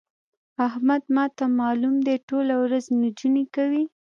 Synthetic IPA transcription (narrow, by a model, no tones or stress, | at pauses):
ahmad̪mɑt̪amɑlumd̪eʈolawɾaznd͡ʒunekawi